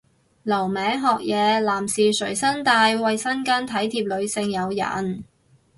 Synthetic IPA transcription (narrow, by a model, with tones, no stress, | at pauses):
lɐ˨˩wmɛː˨˥ŋɦɔː˨k̚jɛː˨˧laː˨˩msiː˨sɵ˨˩ɥsɐ˥nt̪aː˧jwɐ˨˧jsɐ˥nkaː˥nt̪ʰɐ˨˥jt̪ʰiː˧p̚lɵ˨˧ɥsɪ˧ŋjɐ˨˧wjɐ̰˨˩n